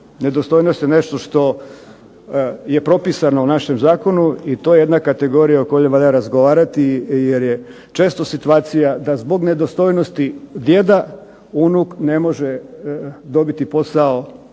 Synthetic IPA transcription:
ne̞d̪ost̪o̞jnost̪jene̞ʃt̪o̞ʃt̪o̞ | je̞pɾo̞pisanounaʃemzaːko̞nuit̪ojeje̞d̪nakat̪e̞ɡo̞ɾijaokojojeʋaʎjaɾazɡoʋaːɾat̪ijeɾje | t͡ʃe̞ːst̪o̞sit̪uaːt̪sijad̪azbo̞ɡne̞d̪o̞st̪o̞jnost̪id̪je̞d̪a | unukne̞mo̞ʒe | d̪o̞bit̪ipo̞sao

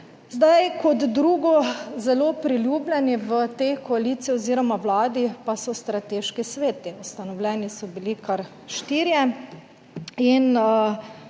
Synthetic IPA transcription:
zd̪ajkɔd̪d̪ɾuːɡɔzɛloːpɾiljuːblʲjɛniʋət̪ekɔaliːt̪sijioziːɾɔmaʋlaːd̪ipasɔst̪ɾat̪eːʃkisʋeːt̪iust̪anɔwlʲɛːnisɔbilikaɾ | ʃt̪iːɾjɛ | inə

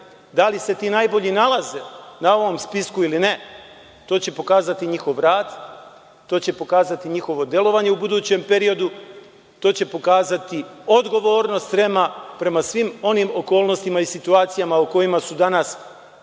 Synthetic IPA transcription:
d̪alise̞t̪iːnaːjbo̞ʎinalˠaze̞nao̞ʋo̞mspiskuiline̞ | t̪o̞ːt͡ɕe̞po̞kaːzat̪iɲixo̞ʋɾaːd̪ | t̪ːo̞ːt͡ɕe̞po̞kaːzat̪iɲixo̞ʋo̞d̪je̞lˠo̞ʋaɲe̞ubud̪uːt͡ɕe̞mpe̞ɾio̞d̪u | t̪o̞ːt͡ɕe̞po̞kaːzat̪io̞d̪ɡo̞ʋo̞ːɾno̞st̪pɾemapɾe̞masʋimo̞nimo̞ko̞ːlˠno̞st̪imaisit̪uaːt̪sijamauko̞jimasud̪anas

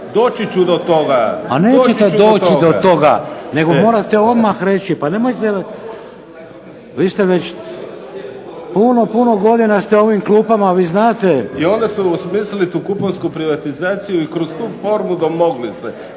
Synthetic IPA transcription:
d̪oːt͡ʃit͡ɕud̪ot̪oɡapane̞ːt͡ʃet̪eo̞ːt̪id̪ot̪o̞ɡa̰ne̞ɡo̞mo̞ːɾat̪e̞o̞d̪maxɾe̞t͡ʃipane̞mo̞jt̪e | ʋist̪eʋet͡ɕ | puno̞punoɡo̞d̪inast̪eo̞ʋimklˠuːpamaʋiːznaːt̪e̞io̞nd̪esuosmiːslilit̪uːkuponskupɾiʋat̪izaːt̪sijuikɾost̪uːfoːɾmud̪omoɡlise

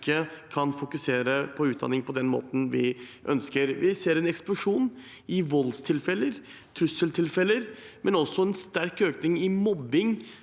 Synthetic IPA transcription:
kʰːəkʰɑnfʊkʉseːɾəpʰɔʉːt̪̚d̪ɑ̰nɪŋpʰɔd̪ɛnmo̰ːt̪n̩ʋɪʔœ̰nskəɾʋɪseːɾɛnɛksplʊʂuːn | ɪʋɔlst̪ʰɪlfɛləɾ | t̪ʰɾʉsəlt̪ʰɪlfɛlːəɾmʔɛnɔsːɔɛnst̪æɾkøːknɪŋɪmɔbːɪŋ

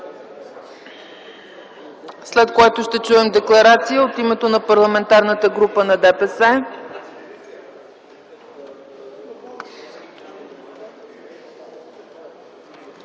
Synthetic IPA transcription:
slɛt̪kojat̪oʃt̪ɛt͡ʃuɛmd̪ɛklˠɐɾat̪sijəot̪imɛt̪onɐpɐɾlˠɐmɛnt̪aɾnət̪əɡɾupənɐd̪ɛpɛsɛ

